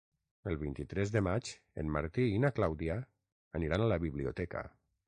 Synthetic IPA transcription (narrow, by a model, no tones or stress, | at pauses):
əlˠβint̪it̪ɾɛzðəmat͡ʃ | ḛnmaɾt̪iːnaklawðiaː | niɾanalaβiβlio̰t̪ɛka̰